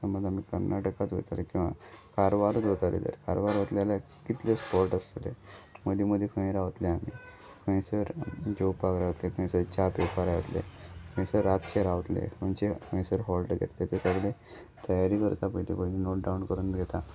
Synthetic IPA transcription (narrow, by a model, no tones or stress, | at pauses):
səməd̪amikəɾnʔaʈəkat͡sʋo̰t̪alekĩw̃ʋa̰kaɾʋaɾt͡sʋot̪alḛd̪ə̰ɾkaɾʋaɾʋət̪lalja | kit̪lespɔɾʈəst̪lḛməd̪ʱiməd̪ʱːekʰə̃ĩɾaʋət̪leamiː | kʰə̃ĩsəɾd͡ʑepakɾaʋət̪lekʰə̃j̃səɾt͡ɕapepaɾajət̪lḛkʰə̃ĩsəɾat̪t͡ɕeɾaʋt̪lḛkʰənt͡ɕekʰə̃j̃səɾɦɔlɖɡʱḛt̪let̪esəɡle | t̪əjaɾiːkəɾt̪apəʈipəninoʈ̚ɖaunkəɾuːnɡʱet̪a